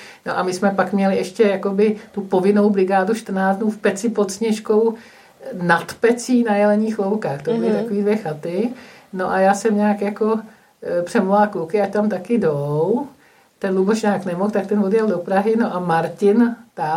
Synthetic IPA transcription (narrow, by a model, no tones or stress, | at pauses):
no̰ʔamɪsmɛpakmɲɛlɪɛʃcɛjakobɪt̪upo̞vɪno̞wbɾɪɡaːduʃt̪r̩naːt͡snuːfpɛt͡sɪpo̞t̪sɲɛʃko̞w | nat̪pɛt͡siːnajɛlɛɲiːxlowkaːxt̪obɪlɪt̪akoviːdvjɛxat̪ɪno̞ʔajaːsɛmɲaːkjako̞ | pr̝̥ɛmolalkukɪact̪amt̪akɪdow | t̪ɛnluboʃɲaːknɛmoxt̪ak̚t̪ɛnvodjɛldo̞pɾaɦɪno̞ʔamaɾcɪnt̪a